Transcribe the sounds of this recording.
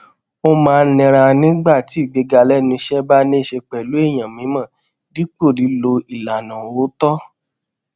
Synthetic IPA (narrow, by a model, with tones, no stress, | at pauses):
o˦mãː˨˦˧lĩ˧ɾa˧nĩ˦ɡ͡ba˦˨ti˨˦˨ɡ͡be˧ɡa˧lɛ˦nũ˧ʃɛ˦ba˦nĩ˦˨ʃe˧k͡pɛ˨lu˨˦e˦˨j̃ã˨mĩ˨˦mã˦˨ | di˨˦k͡po˦˨ɾi˨˦lo˧i˨la˨nã˨wo˨˦tɔ˦